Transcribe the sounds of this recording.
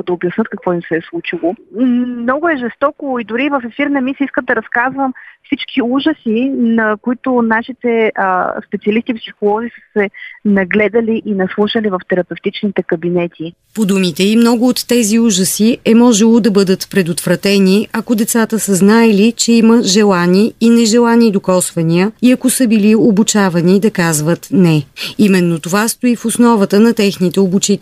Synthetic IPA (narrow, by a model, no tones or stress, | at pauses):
d̪ɐobjɐsnɤt̪̚kɐkvɔimsɛslˠut͡ʃilˠomnɔɡʊɛʒɛst̪ɔkoid̪ʊɾiːvəfɛfiɾnɛmisiskəmd̪ɐɾɐskazvəmfsit͡ʃkiuʒəsinɐkʊit̪ʊnaʃit̪ɛspɛt̪siɐlist̪iːpsixolˠɔzisə̥sɛnɐɡlɛd̪əliʔinɛslˠuʃəlivɐft̪ɛɾɐpɛft̪it͡ʃnit̪ɛkɐbinɛt̪ʲʰi | pod̪umit̪ɛimnɔɡʊːt̪ːɛziuʒəsiʔɛmɔʒɛlˠod̪ɐbɤd̪ət̪pɾɛd̪ot̪vɾɐt̪ɛniɐkod̪ɛt̪sat̪əsəznaɛlit͡ʃɛiməʒɛlˠaniːnɛʒɛlˠanid̪okɔsvɐniəiɐkosəbiliobut͡ʃavɐnid̪ɐkazvət̪nɛimɛnːot̪ovast̪oifosnɔvət̪ənɐt̪ɛxnit̪ɛobut͡ʃit̪